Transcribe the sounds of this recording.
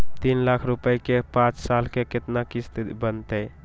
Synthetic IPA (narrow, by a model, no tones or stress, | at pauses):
t̪inlakʰɾupəjkepãt͡ʃsalkeket̪nakist̪bənt̪əj